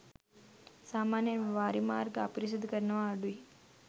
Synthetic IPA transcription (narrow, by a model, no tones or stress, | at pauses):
saːmaːnjəʋaːɾima̰ːɾɡa̰pɾis̬id̪kəɾnəʋaːɖui